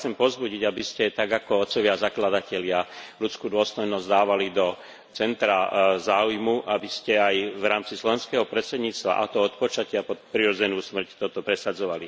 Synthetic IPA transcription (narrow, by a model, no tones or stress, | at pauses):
t͡sɛmpɔzbuɟiɟabiscɛt̪aɡakɔɔt̪t͡sːɔʋɪazaklad̪acɛlɪalut͡skuːd̪ʊɔst̪ɔjnɔzd̪aːʋalid̪ɔ | t͡sɛnt̪ɾazaːujmuʔabiscɛajvɾaːmt͡sislɔʋɛnskɛɦɔpɾɛt̪sɛd̪ɲiːt͡st̪ʋa̰ʔa̰t̪ɔɔt̪pɔt͡ʃacɪapɔt̪pɾiɾɔd͡zɛnuːsmr̩ct̪ɔt̪ɔpɾɛsad͡zɔʋali